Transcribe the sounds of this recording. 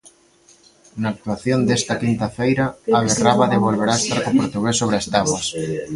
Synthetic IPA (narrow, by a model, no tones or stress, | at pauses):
naːk̚t̪uaθjond̪est̪ɐkint̪ɐfejɾɐːβeraβaðeβ̞olβeɾaest̪aɾkopoɾt̪uɣelsoβɾast̪aβwas